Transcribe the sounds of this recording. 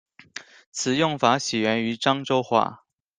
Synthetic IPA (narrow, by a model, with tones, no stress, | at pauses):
t͡sʰɹ̩˨˩jʊ˥˩ŋfa˧˥ɕɛ˨˩ɥɛ˧˥ny˧˥ʈ͡ʂɑ˥ŋʈ͡ʂo˥ʊxwa̰˥˩